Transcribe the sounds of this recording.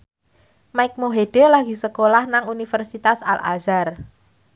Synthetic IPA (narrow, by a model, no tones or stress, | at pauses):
maɪk̚moɦeɖ̥e̤laɡ̥i̤səkolahnaŋunifərsit̪asa̰lʔa̰zar